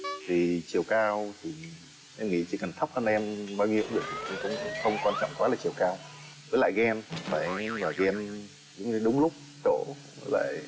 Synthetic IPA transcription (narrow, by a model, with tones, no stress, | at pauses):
t̪ʰi˨˩t͡ɕi˨˩əwkaː˧wt̪ʰi˨˩ | ʔɛ˧mŋḭ˧˥t͡ɕḭ˧˥˩kə˨˩nt̪ʰk͡p̚həː˧nʔɛ˧mɓaː˧wŋḭ˧˥əwmvi˨˩k̚t̪ʰi˨˩kkʊ̰˧˦ŋ͡mxə˧wŋ͡mkwaː˧nt͡ɕɔ̰˧˨wŋ͡mkwaː˨˦laː˨˩t͡ɕi˨˩əwkaː˧w | vəː˨˦la̰ː˧˨jɣɛ˧n˨faː˧˩jvaː˨˩ɣɛ˧m | z̰ŋ͡mɗʊ˨˦ŋ͡mlʊ˦˥k͡p̚ | t͡ɕo˧˩ | vəː˨˦jla̰ː˧˨j